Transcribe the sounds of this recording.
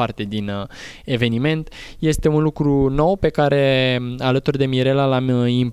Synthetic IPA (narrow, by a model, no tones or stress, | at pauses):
art̪e̞d̪in | e̞ve̞nime̞nt̪je̞st̪e̞unlukɾuno̞wpe̞kaɾe̞alət̪urd̪e̞miɾe̞lalamimp